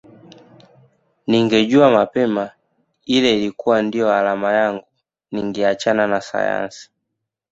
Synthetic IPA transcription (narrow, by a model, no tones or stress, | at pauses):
niŋɡɛɟuamapɛma | ilɛilikuwandijɔalamajaŋɡu | niŋɡɛat͡ʃananasa̰ja̰nsi̥